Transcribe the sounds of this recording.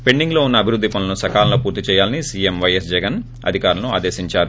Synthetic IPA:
pe̞ɳɖiŋɡlo̞ːunːɐːbʱiɾud̪ːipɐnlɐnusɐkaːlɐlopuːɾt̪it͡ʃɛːjaːlɐnisiːemʋɐjesd͡ʒɛɡɐn | ɐ̰d̪ʱikaːɾɐlɐnua̰ːd̪e̞ːsiɲt͡ʃaːɾu

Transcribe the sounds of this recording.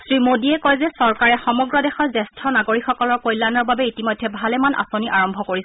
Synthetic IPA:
sɹimodiɛkɔjzɛsɔɹkaɹɛxɔmɔɡɹɔdɛxɔɹzɛstʰɔnaɡoɹikxɔkɔlɔɹkojlːanɔɹbabɛitimojdʱːɛbʱalɛmanʔa̰soniʔaɹɔmbʱɔkoɹisɛ

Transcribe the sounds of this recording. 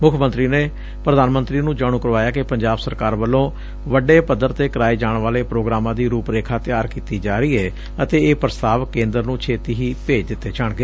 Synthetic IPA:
mʊkʰːmənt̪ɾiːneː | pɾəd̪aːnmənt̪ɾiːnũːd͡ʒaːɽ̃ũːkəɾʋaːjaːkɪpəɲd͡ʒaːbsəɾkaːɾʋəlːõː | ʋəɖeːpəd̪əɾt̪eːkəɾaːiːd͡ʒaːɳʋaːleːpɾoːɡɾaːmãːd̪iːɾuːpɾeːkʰaːt̪ɪjaːɾkiːt̪iːd͡ʒaːɾəiːɛː | ət̪eːeːpɾəst̪aːʋkẽːnd̪əɾnũːt͡ʃʰeːt̪iːɦiːpeːd͡ʒd̪ɪt̪ːeːt͡ʃaɳɡeː

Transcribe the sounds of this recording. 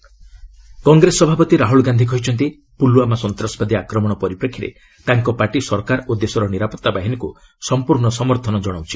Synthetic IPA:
kɔŋɡɾesɔbʱapɔt̪iɾaɦuɭɡand̪ʱik̬ɔɦit͡ʃʰɔnt̪i | puluamasɔnt̪ɾasɔbad̪iakɾɔmɔɽ̃ɔpɔɾipɾekʰːiɾḛ | t̪aŋkɔpaʈisɔɾkaɾod̪esɔɾɔniɾapɔt̪ːabaɦiniku | sɔmpuɾɳɔsɔmɔɾt̪ʰɔnɔd͡ʒɔɽ̃awt͡ʃʰi̥

